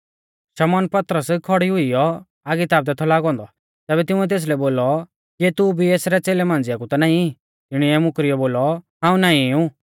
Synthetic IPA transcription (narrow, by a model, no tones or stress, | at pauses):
ʃɐmɔːnpɐt̪ɾəskʰɔɽiɦʊijɔ | aɡit̪aːb̚d̪ɛt̪ʰɔlaːɡɔ̃ːnd̪ɔ | t̪ɛːbɛt̪ɪũɛt̪̬eːs̬lɛboːlɔ | ket̪ubʱieːsɾɛt͡seːlɛmãːnd͡zɪjakut̪ɔnaːĩ | ɪɽ̃iɛmʊkɾijɔboːlɔɦãːũnaːĩũ